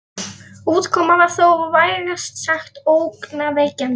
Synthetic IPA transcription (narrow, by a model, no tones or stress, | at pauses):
uːt̪kʰɔːmaðaθowvaːjɾast̪saxt̪owknavɛcːan